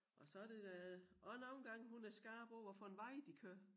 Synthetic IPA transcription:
ʔɒ̽sɒ̽æd̥e̝dæɒnoːn̩ɡ̥ɑ̈ŋ̰ɦunæɐsɡ̥ɑ̈ːb̥ɒʊ̰ɒfɒ̽e̝nʋɑ̈ɪ̰d̥ikʰøɐ̰

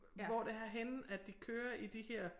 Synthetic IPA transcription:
ʋɒd̥e̝æɦenn̩æd̥̚d̥ikʰøːɐʔid̥ihɛɐ̰

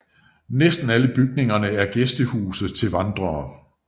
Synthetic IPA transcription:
nesd̥n̩æləb̥yɡ̥ne̝ŋɐnəæɐɡ̥esd̥əhuːsð̩ˠt͡sʰe̝lʋɑ̈nd̥ʁɐː

